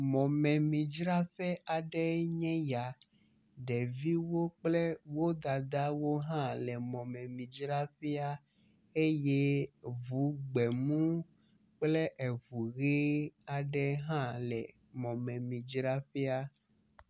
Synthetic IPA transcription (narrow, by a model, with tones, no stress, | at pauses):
mɔ̃˨mɛ̃˨mĩ˨d͡ʒɾa˦ɸɛ˦a˨ɖɛ˦ɲɛ̃˦ja˨ | ɖɛ˨vi˦wo˦k͡plɛ˦wo˦d̪a˨d̪a˦wo˦ɦã˦lɛ˨mɔ̃˨mɛ̃˨mĩ˨d͡ʒɾa˦ɸi˦a˦ | e˦jɛ˦vu˨˦ɡ͡bɛ˨mũ˦ | k͡plɛ˦ʔe˨vu˨ɣe˦a˨ɖɛ˦ɦã˦lɛ˨ | mɔ̃˨mɛ̃˨mĩ˨d͡ʒɾa˦ɸi˦a˦